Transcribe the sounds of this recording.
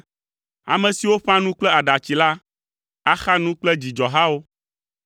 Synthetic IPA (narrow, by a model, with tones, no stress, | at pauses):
a̰˨mɛ̃˨si˨wo˦ɸã˦nũ˦k͡plɛ˦a˨ɖa˨t͡ɕi˨la˦ | a˦xa˦nũ˦k͡plɛ˦d͡ʑi˨d͡ʒɔ˨ɦa˦wo˦